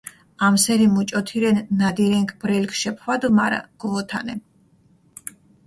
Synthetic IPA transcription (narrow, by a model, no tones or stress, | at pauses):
amsɛɾimut͡ʃʼɔt̪ʰiɾɛnːad̪iɾɛŋkʰbɾɛlkʰʃɛpʰwad̪umaɾa̰ɡ̥ɔvɔt̪ʰanɛ